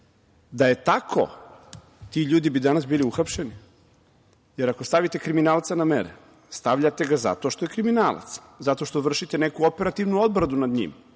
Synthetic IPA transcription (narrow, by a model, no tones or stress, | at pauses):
d̪aje̞t̪akʰo̰ | t̪iʎuːd̪ibid̪anasbiːliuxapʃeni | je̞ɾakost̪aʋit̪e̞kɾiminaːlˠt̪sanamḛɾḛ | st̪aʋʎat̪e̞ɡaza̰t̪o̞ʃt̪ojekɾiminaːlˠa̰t̪s | zat̪o̞ʃt̪o̞ʋr̩ʃit̪enekuope̞ɾat̪iʋnuod̪̚bɾad̪unad̪ɲḭm